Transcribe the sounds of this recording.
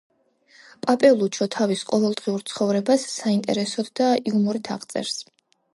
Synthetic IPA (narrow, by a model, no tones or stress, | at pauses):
pʼapʼɛlˠut͡ʃʰɔt̪ʰavisqʼɔvɛlˠd̪ʁiuɾt̪sʰχɔvɾɛbasːaint̪ʼɛ̰ɾɛsɔd̪d̪ailˠmuɾit̪ʰaʁt̪sʼɛ̰ɾs